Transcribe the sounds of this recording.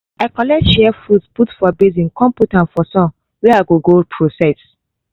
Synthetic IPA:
akɔlɛʃɛfudsputfɔbezĩnkɔ̃mputãnfɔsɔ̃n | wɛaɡoɡopʰɹosɛs

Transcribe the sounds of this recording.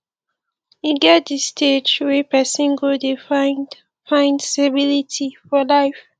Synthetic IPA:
iɡɛt̚distʰed͡ʒwɛpɛsĩnɡodefaɪ | fãɪ̃ndsabilitʰifɔlaɪf

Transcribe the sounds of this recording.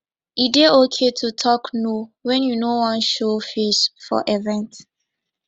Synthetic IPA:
ideokʰetʰutʰɔknowɛ̃njunowɔ̃nʃofeʃfɔ̰ʔɛvɛ̃nt

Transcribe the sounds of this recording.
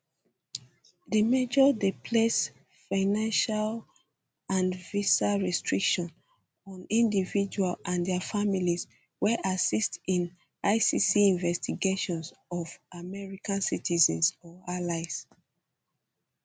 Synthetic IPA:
dimɛd͡ʒɔdepʰles | faɪnãnʃal | ãnvisaɹɛstɹikʃɔ̃n | ɔ̃nĩndivid͡ʒualãndɛafamilis | wɛʔasistĩn | aɪsisiĩnvɛstiɡeʃɔ̃nsɔvamɛɹikãnsitʰizɛ̃nsɔalaɪs

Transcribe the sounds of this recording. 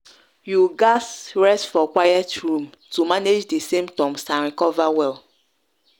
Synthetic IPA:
juɡasɹɛstfɔkwajɛtɹũm | tumaned͡ʒdesẽmtɔ̃msãnɹikɔvawɛl

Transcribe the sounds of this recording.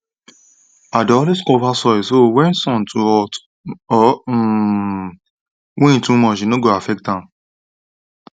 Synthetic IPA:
adɔliskɔfasɔɛsowɛnsɔ̃ntʰuɔ | ɔ | wẽĩtũmɔ̃ʃĩnõɡɔafɛk̚tã

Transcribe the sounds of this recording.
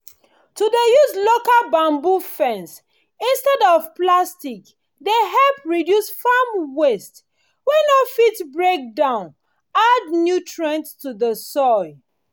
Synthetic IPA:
tudəjuzlokalbãmbufɛ̃ns | ĩnstɛdɔvplastik | deɦɛlpɹidjusfamwest | winofitbɹek̚dãʊ̃n | adnjutʰɹɛ̃ntstuðəsɔɪ

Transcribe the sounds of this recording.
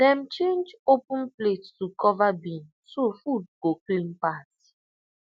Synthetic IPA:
dɛm̩t͡ʃend͡ʒopũn̩plettukɔvabin̩sufud̚ɡoklim̩pati̥

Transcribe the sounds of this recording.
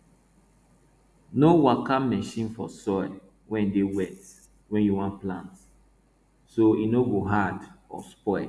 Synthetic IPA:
nowakamɛʃĩnfɔsɔɪl | wɛ̃ndewɛt | wɛ̃njuwɔ̃nplãnt | soinoɡoɦadɔ̰spɔɪl

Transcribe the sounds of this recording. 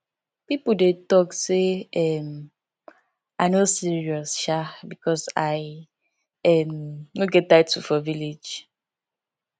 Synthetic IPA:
pipodetɔkseɛm | aɪnosiɹiɔsʃabikɔsaɪ | ɛmnoɡɛt̚atufɔviled͡ʒ

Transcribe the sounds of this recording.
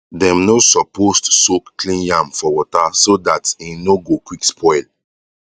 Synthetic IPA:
dɛ̃mnosɔpostsokklĩnjãmfɔwɔtasodatinoɡokwikspʰɔjl

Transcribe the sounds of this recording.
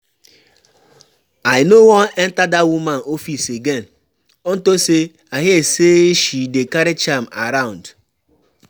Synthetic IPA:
aɪnowɔnen̩tadawumanofiseɡen̩ | ɔn̩tose | aɦeeseeʃidekaɾet͡ʃam̩a̰ɾaʊ̃n̩d

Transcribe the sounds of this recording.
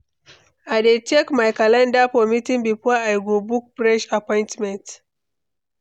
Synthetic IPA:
adɛt͡ʃekmajkalãndapɔmitĩŋbiɸɔaajɡobuk̚bɹɛʃapɔ̃jntmɛ̃nt

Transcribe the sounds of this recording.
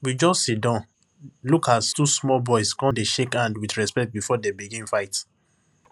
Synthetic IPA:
wid͡ʒɔstːsitdãʊ̃n | lukʰastusmɔlbɔɪskɔ̃ndeʃekãndwidɹɛspɛk̚t̚bifɔdebiɡĩmfaɪt

